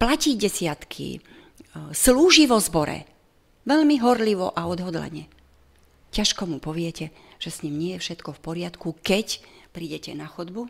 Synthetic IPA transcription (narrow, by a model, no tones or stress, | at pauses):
placiɟɛsɪat̪kʰḭ | sluːʒiʋɔzbɔɾɛ̰ | ʋɛlmiɦɔɾliʋɔ̰ʔaɔd̪ɦɔd̪la̰ɲɛ | caʃkɔmupɔʋɪɛcɛ | ʒ̥ɛsɲimɲɪɛjɛfʃɛt̪kɔfpɔɾɪat̪kukɛcpɾiːɟɛcɛnaxɔd̪bu